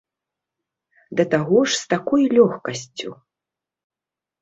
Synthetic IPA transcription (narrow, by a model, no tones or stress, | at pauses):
d̪ɐt̪aɣɔʂst̪akɔjlʲɔxkɐsʲt͡sʲu